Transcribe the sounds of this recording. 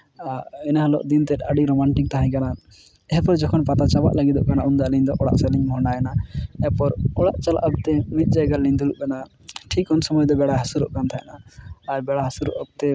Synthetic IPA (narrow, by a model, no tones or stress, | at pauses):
aɛnaɦalɔ̰ʔd̪int̪ɛt̪̚ˀəɖiɾɔmaɳʈik̚t̪aɦãj̃kana | ɛɦpɔɾd͡ʒɔkʰɔnpat̪at͡ʃaba̰ʔlaɡid̪ɔʔkanaund̪aliɲd̪ɔʔɔɽa̰ʔsɛliɲbɦɔɳɖajɛnaɛpɔɾɔɽa̰ʔt͡ʃala̰ʔab̚t̪ɛmit̪̚ˀd͡ʒajɡalliɲd̪uluʔbɛna | ʈʰikɔnsɔmɔjd̪ɔbɛɽaɦasuɾɔʔkant̪ʰaɛ̰naːɾbɛɽaɦasuɾɔ̰ʔab̚t̪ɛ